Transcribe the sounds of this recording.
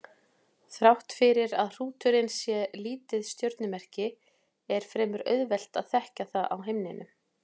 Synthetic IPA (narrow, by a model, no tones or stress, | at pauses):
θɾawht̪fɪɾɪɾaðr̥uːt̪ʏɾɪnsjɛliːt̪ɪðst̪jœwɾt̪nʏmɛr̥cɪ | ɛɾ̥fɾɛːmʏɾœ̰ɥðvɛl̥t̪aðθɛhcaθaða̰wɦejmnɪnʏ̰